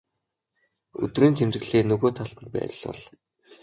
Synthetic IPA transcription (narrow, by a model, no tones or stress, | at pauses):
ɵ̰t̪riːnt̪ʰemt͡ɕɘ̆ɣɮeːnɵɣoːt̪ʰaɮt̪ə̆npæ̰ːt̆ɮɔ̰ɮ